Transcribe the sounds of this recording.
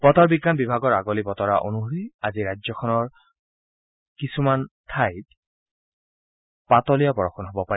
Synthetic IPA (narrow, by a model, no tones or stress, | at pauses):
pɔtɔɹbiɡːanbibʱaɡɔɹaɡolipɔtɔɹaʔo̰nuɦoɹiaziɹajzɔkʰɔnɔɹ | kisumantʰajt̚ | patɔlijapɔɹɔxʰɔnɦɔbɔpaɛ